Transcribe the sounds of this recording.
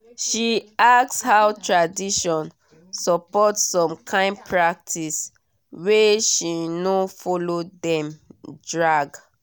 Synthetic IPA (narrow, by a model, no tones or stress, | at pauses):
ʃiak̚shawtʰɹadiʃɔ̃n | sɔpɔtssɔ̃mkʰãɪ̃ndpʰɹak̚tʰis | weʃinofɔlodɛ̃mdɹaɡ